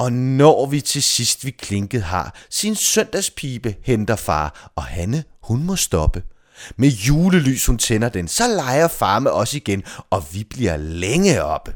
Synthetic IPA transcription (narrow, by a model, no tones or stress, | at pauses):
ɒ̽nɒːʋit͡sʰe̝sisd̥ʋikʰle̝ŋɡ̥ð̩ˠɦɑ̰̈sinsœn̰d̥æspʰiːb̥əhend̥ɐfɑ̰̈ːɒ̽hænəhunmɔ̽sd̥ɒ̽b̥ə | mejuːləly̰ːshunt͡sʰenɐd̥ensɒ̽lɑ̈ɪɐfɑ̈ːmeʔɒ̽səiɡ̥enɒ̽ʋib̥liɐ̰leŋəɒ̽b̥ə